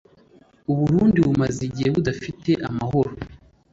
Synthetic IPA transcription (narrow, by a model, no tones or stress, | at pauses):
uβuɾuːndiβumaziɟiheβudafite̞ʔamaho̞ɾo